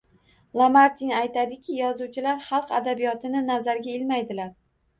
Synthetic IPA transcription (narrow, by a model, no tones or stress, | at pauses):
lˠamaɾt̪ʰinajt̪ʰad̪ɪkʲʰɪjɒzuwt͡ʃʰɪlaɾχɑlˠqad̪abijɒt̪ʰɪnɪnazaɾɡʲaɪlmajd̪ɪlaɾ